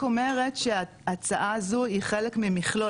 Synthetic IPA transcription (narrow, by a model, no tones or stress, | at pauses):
ome̞ʁetʃea | at͡saʔazoiχelekmimiχlo